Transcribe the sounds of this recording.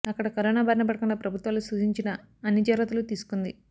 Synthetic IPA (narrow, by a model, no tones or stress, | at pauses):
ɐkːɐɽɐkɐɾoːnaːbɐɾɐnɐpɐɽɐkuɳɖaːpɾɐbʱut̪ʋaːlusuʃiɲt͡ʃinɐ | ɐnjɐd͡ʒɐɾɐt̪ulut̪iːsu̥kund̪i